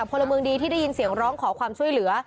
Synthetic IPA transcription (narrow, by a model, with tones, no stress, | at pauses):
a˨˩o˧nla˧mɯː˧ŋdiː˧t̪ʰiː˥˩da˥˩ji˧nsi˨˩˦əŋɾɔː˦˥ŋkʰɔː˩˦kʰwaː˧mt͡ɕʰu˥˩əjlɯ˩˦ɐ